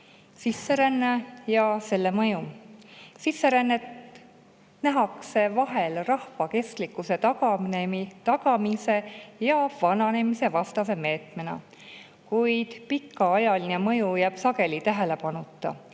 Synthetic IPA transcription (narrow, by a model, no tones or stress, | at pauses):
sisːe̞ɾænːejɑse̞lːe̞mɤju | sisːe̞ɾænːet̪ | næɦɑkse̞vɑɦe̞lrɑhvɑke̞st̪likːˑuse̞t̪ɑɡ̥ɑmnemit̪ɑɡ̥ɑmise̞jɑvɑnɑne̞mise̞vɑst̪ɑse̞me̞ːt̪menɑ̰ | kujd̪̥pikːɑɑjɑline̞mɤjujæb̥sɑɡe̞lit̪æɦe̞le̞pɑnut̪ːˑɑ̰